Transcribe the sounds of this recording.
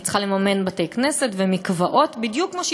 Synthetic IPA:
t͡sχalemame̞nbatejkne̞setvemikvaʔo̞tbidjukːmoʃ

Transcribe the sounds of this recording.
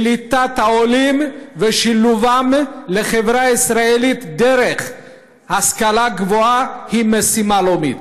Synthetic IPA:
lit̪at̪haolimveʃiluvamleχevɾaisɾaelit̪d̪eɾeχ | haskalaɡvoahimesimalomit̪

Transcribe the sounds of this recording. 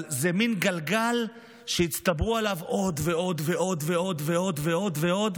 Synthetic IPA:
zeminɡalɡal | ʃejit͡st̪abʁualavʔo̞d̪veo̞d̪veʔo̞d̪veo̞d̪veo̞d̪ve̞o̞d̪ve̞o̞d̪

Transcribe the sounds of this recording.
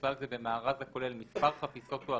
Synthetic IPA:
lalzebemaːʁazako̞lelmispaʁχapiso̞t̪ua

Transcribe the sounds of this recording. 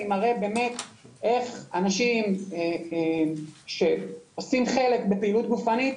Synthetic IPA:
imaʁebe̞ːme̞t̪e̞χanaʃime | ʃe̞osimχe̞le̞kbe̞peilut̪̚ɡufanit

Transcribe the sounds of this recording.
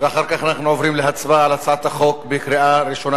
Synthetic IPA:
veaχaʁkaχanaχnuovʁimleɦat͡sbaːlat͡sat̪aχo̞kbekɾiaɾiʃo̞na

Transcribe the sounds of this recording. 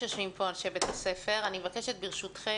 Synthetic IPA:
ejaʃmimpʰoanʃebet̪hase̞fe̞ʁanimevakeʃet̪biʁʃutχe

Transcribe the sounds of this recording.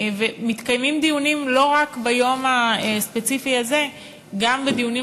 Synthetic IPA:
vemit̪kajmimd̪ijunimlo̞ʁakbajo̞maespe̞t͡sifiaze̞ | ɡambed̪ijuni

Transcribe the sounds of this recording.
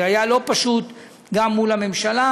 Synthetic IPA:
ajalo̞paʃut̪ | ɡamːulame̞mʃala

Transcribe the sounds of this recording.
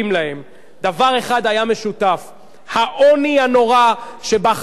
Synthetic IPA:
imlahe̞m | d̪avaʁe̞χad̪ajame̞ʃutaf | haʔo̞niano̞ʁaʃe̞ba

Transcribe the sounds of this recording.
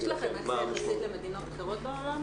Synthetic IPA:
laχemmamalit̪lemed̪inot̪aχeʁot̪̚beolam

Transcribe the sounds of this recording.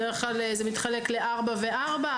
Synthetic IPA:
eʁeχklalezemit̪χale̞kleʔaʁbaveʔaʁba

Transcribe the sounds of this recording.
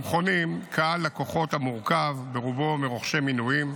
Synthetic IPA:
mχo̞nimkʰaalːako̞χo̞t̪hamuʁkavːeʁubo̞meʁoχʃe̞minujim

